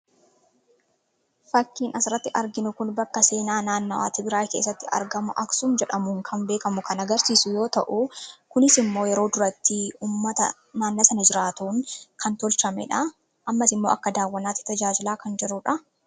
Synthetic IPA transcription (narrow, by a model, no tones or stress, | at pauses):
fɐkːiːnʔɐsɪɾɐt̪ːɪʔɐɾɡɪnʊkʊnbɐkːɐse̞ːnaːnaːnːɐwa̰ːt̪ɪbɪɾaːke̞ːs̬ːɐt̪ːɪɐ̰ɾɡɐmʊʔɐksʊmd͡ʒɛᶑɐmʊŋkʰɐmbeːkɐmʊkɐnɐɡɐɾsiːsʊjo̞ːt̪ɐʔukʊnɪsɪmːo̞ːjɛɾo̞ːd̪ʊɾɐt̪ːɪuːmːɐt̪ɐ̰ | naːnːɐsɐnɐd͡ʒɪɾaːt̪uːŋkʰɐnt̪ɔlt͡ʃɐmɛ̰ᶑɐ | ʔɐmːɐsɪmːo̞ːʔɐkːɐd̪aːwːɐnaːt̪ːɪ̥t̪ɐd͡ʒaːd͡ʒɪlaːkɐnd͡ʒɛɾʊᶑɐ